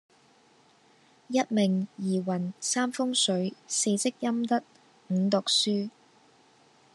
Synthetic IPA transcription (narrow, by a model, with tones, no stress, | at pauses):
jɐ˥t̚mɪ˨˩ŋjiː˨˩wɐ˨˩nsaː˥mfʊ˥ŋsɵ˨˥ɥse˧jt͡sɪ˥k̚jɐ˥mt̪ɐ˥t̚ | ŋ̩˨˧˥t̪ʊ˨k̚syː˥